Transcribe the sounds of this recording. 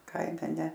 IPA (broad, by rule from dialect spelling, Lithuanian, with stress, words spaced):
ˈkɐɪmʲɛ nʲɛ